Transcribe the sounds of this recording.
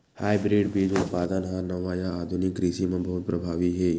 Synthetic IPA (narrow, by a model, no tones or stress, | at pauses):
haːjbɾeːɖbiːd͡ʒʊt̪paːd̪ənɦãnɐʋaːjãaːd̪ʱʊnɪkːɾisimẽbɐɦʊt̪̚pɾɐbʱaːʋiɦɛː